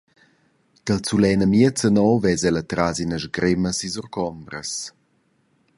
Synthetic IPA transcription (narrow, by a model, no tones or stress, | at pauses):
kəlt͡sulɛnəmiət͡sənɔwvɛzɛlət̪ɾazinəzɡɾɪməsizɔrkɔmbɾə̰s